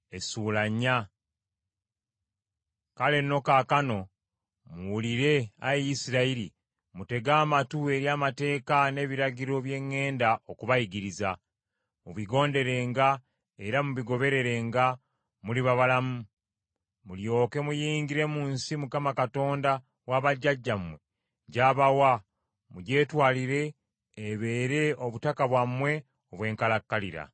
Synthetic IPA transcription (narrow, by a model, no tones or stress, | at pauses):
e̞suːlaɲːa | kale̞no̞kaːkano̞ | muwuliɾe̞a̰jisiɾaiɾḭ | mute̞ɡaːmatue̞ɾjaːmate̞ːkane̞ːβiɾaɟiɾo̞βje̞ŋːe̞ːndao̞kuβajiɡiɾiza | muβiɡo̞ːnde̞ɾe̞ŋɡa | eɾamuβiɡo̞βe̞ɾe̞ɾe̞ŋɡa | muliβaβalamu | muljo̞ːke̞mujiːŋɡiɾe̞muːnsimukamakato̞ːnda | waβaɟːaɟːamwe̞ | ɟaːβawa | muɟe̞ːtwaːliɾe̞ː | βe̞ːɾe̞oβutakaβwamwe̞ | o̞βwe̞ːŋkalakːalḭɾa̰